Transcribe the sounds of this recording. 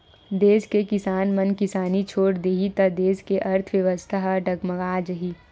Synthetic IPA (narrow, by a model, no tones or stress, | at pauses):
d̪eːskekɪsaːnmɐnkɪsaːnit͡ʃʰoːɽd̪eːɦit̪ɐd̪eːskeʔɐɾt̪ʰʋjɐʋəst̪ʰaɦɖɐɡmɐɡaːd͡ʒəɦi